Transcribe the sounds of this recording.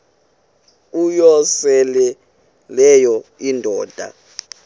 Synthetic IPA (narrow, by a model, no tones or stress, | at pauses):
ujɔsɛlɛ | lɛjɔindʱɔːd̥ʱa̰